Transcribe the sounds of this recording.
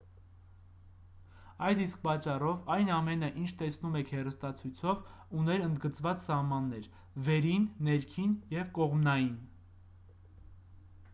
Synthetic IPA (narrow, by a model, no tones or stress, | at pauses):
ɑjd̪isk̚pɑt͡ʃːɑrɔvɑjnɑmɛnəʔint͡ʃʰt̪ɛsnumɛkʰhɛrəst̪ɑt͡sʰujt͡sʰɔv | unɛɾənd̪ɡət͡svɑt͡ssɑhmɑnːɛɾ | vɛɾinːɛɾkʰinjɛvkɔʁmnɑjin